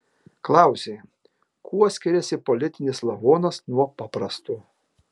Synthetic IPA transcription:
klˠɑˑʊsʲeː | kuɔsʲkʲɪɾʲɛsʲɪpɔlʲɪt̪ʲɪnʲɪslˠɐʋoːnɐsnuɔpɑːpɾɐst̪u

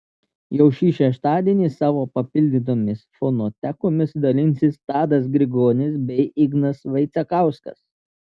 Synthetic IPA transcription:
jɛʊʃʲiːʃʲɛʃt̪ɑːd̪ʲiɛnʲiːsɑːʋoːpɐpʲɪlʲd̪ʲɪt̪̬oːmʲɪsfɔnoːt̪ʲækoːmʲɪsd̪ɐlʲɪnʲsʲɪst̪ɑːd̪ɐsɡɾʲɪɡoːnʲɪsbʲɛɪʔɪɡnɐsʋɐɪt̪sʲɛkɑˑʊskɐ̰s

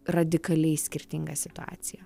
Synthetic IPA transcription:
ɾɐd̪ʲɪkɐlʲɛɪsʲkʲɪɾʲt̪ʲɪŋɡɐsʲɪt̪ʊa̰ːt̪sʲɪjɛ

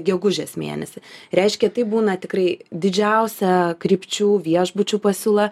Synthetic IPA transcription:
ɡʲɛɡʊʒʲeːsmʲḛːnʲɛsʲɪɾʲɛɪʃʲkʲɛt̪ɐɪbuːnɐt̪ʲɪkrɐɪd̪ʲɪd͡ʒʲɛʊsʲɛkɾʲɪpʲt͡ʃʲuːʋʲiɛʒbʊt͡ʃʲuːpɐsʲuːlˠɐ

